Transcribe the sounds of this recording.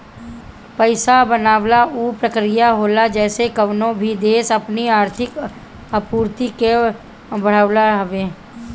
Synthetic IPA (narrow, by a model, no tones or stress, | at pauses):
pəɪsabənaːʋlauːpɾəkɾijaɦoːlad͡ʒɛːsekəʋnõbʱid̪eːsəpniaːɾt̪ʰɪk | əpuːɾt̪ike | bəɽ̤aːlaɦəʋeː